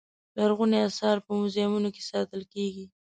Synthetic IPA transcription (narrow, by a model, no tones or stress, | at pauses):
d̪əaɾɣuniasɑɾpəmʊzɑmunoke̥sɑt̪əlkeɡi